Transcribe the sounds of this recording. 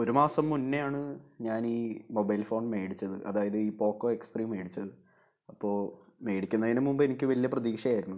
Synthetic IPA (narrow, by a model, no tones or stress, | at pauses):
o̞ɾumaːsɐmːunːejaːɳɨɲaːniːmo̞bɐjlfo̞ːɳɖme̞ːɽit͡ɕːɐðɨʔɐ̰ðaːjɐðɨiːpo̞ːkːoːekspriːme̞ːɽit͡ɕːɐðɨ | ɐpːo̞ːɭme̞ːɽikʲːunːɐðinemumbɨenikʲːɨʋɐlijɐprɐðiːkʂɐjaːjiɾunːu